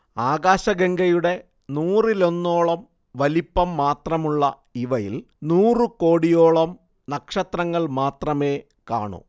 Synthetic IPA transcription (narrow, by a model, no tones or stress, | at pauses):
aːɡaːɕɐɡeŋɡɐjuɽe̞ | nuːrilo̞nːo̞ːɭɐm | ʋɐlipːɐmːaːt̪rɐmuɭːɐ | iʋɐjḭl | nuːrɨko̞ːɽijo̞ːɭɐm | nɐkʂɐt̪rɐŋːɐɭmaːt̪rɐme̞ː | ka̰ːɳṵ